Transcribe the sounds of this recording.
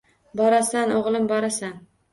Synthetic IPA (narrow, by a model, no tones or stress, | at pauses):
bɒɾasanoʁlˠɪmbɒɾasan